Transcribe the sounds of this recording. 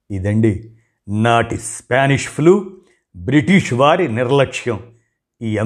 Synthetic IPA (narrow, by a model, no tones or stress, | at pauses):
id̪ɐɳɖi | naːʈispaːniʂpʰluː | bɾiʈiʂʋaːɾiniɾlɐkʂjɐm | iːɐ